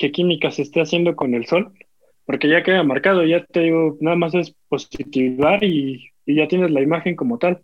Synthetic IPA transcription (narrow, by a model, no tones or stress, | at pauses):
ke̞kimikase̞ːst̪e̞asje̞nd̪o̞ko̞ne̞lso̞l | po̞ɾke̞ʝakeaʝamaɾkað̞o̞ʝat̪e̞ðiɣo̞naðamas̬e̞spo̞sit̪iβaɾiː | ʝat̪je̞ne̞zlaimaxe̞ŋko̞mo̞t̪al